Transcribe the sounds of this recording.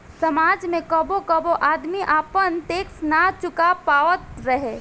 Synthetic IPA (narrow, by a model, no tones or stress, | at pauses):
sɐmaːd͡ʒmẽkɐbokəboʔaːd̪miʔaːpənt̪eːksnat͡ʃʊkapaːʋət̪ɾəɦe